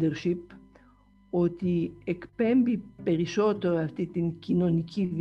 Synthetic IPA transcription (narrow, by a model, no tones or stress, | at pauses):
d̪ɛɾʃip | ot̪iekpɛmbipeɾiʃot̪oaft̪it̪inkinonikʰiv